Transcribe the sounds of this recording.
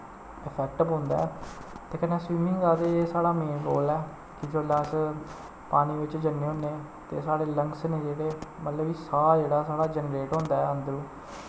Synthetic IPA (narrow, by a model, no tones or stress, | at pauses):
ɪpʰɛːk̚ʈbõːnd̪a̰ːɛ̰ | t̪eːkənẽːsʋiːmĩːɡaːd̪eeːsaːɽaːmeːnɡo̰ːlɛː | kɪd͡ʒoːlas | paːniːʋɪt͡ʃd͡ʒənːẽːɦõːnẽː | t̪ḛːsaːɽeːləŋɡsnẽːd͡ʒeːɽeːmət̪ləbiːsaːaːd͡ʒeːɽaːsaːɽaːd͡ʒənɾeːʈɦõːnd̪aːɛːənd̪əɾũː